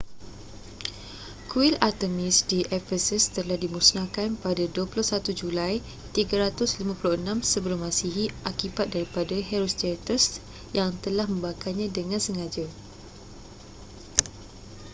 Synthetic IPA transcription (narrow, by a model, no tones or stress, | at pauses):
kuilart̪əmĩsdiʔɛfəsəst̪əlahdimusnãkanpadaduəpulʊhsat̪ud͡ʒulaj | t̪iɡəɾat̪ʊslimãpulʊhənãmsəbəlmãsiɦiʔakibat̪̚daɾipadaɦɛɾɔst̪ɛt̪əs | jaŋt̪əlahmə̃mbakalɲãdəŋãnsəŋad͡ʒa